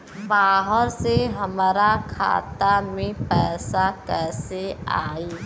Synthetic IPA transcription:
baːɦəɾseɦəmɾakʰa̰ːt̪amẽpɛːsakɛːseaːiː

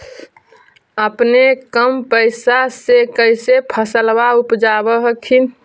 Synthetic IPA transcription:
əpnekəmpəɪsasekəɪsepʰəsəlwaupd͡ʒabəɦəkʰin

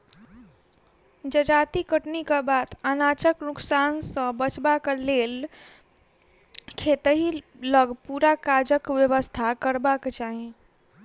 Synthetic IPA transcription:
d͡ʒəd͡ʒat̪ikəʈnikebat̪anat͡ʃəknuksansə̃bət͡ʃbakelel | kʰet̪əɦiləɡpuɾakad͡ʒəkʋjəβəst̪ʰakəɾbaket͡ʃaɦẽ

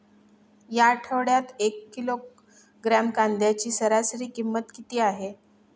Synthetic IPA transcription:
jaʈʰəʋɽjat̪ekːilok | ɡɾamkand̪jat͡ɕiːsəɾasəɾiːkimːət̪kit̪iːaɦe

